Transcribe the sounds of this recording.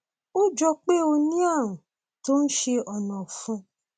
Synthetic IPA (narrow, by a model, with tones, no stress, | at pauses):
o˦d͡ʒɔ˧k͡pe˦o˧nĩ˦a˦˨ɾ̃ũ˨ | to˦n̩˦ʃe˧ɔ˨nɔ̃˨fũ˧